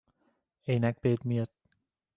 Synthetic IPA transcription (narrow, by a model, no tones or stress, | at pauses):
ejnɛk̚b̥eːt̪̚miət̪̚